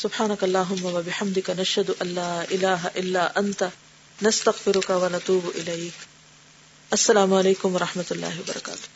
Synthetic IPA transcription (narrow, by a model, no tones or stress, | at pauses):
sʊbħaːnɐkaɐlˤːaːɦʊmːɐwɐbɪħamd̪ɪkanaʃhɐd̪ʊʔɐlːaːʔɪlaːɦaʔɪlːaːʔɐnt̪a | nɐst̪ɐɣfɪɾʊkawɐnat̪uːbʔɪlɐjk | ʔɐsːɐlaːmʊaleːkʊmwɐɾˤɑħmɐt̪ʊlːa̰ːɦɪwɐbɐ̰ɾɑka̰ːt̪ʊ̥h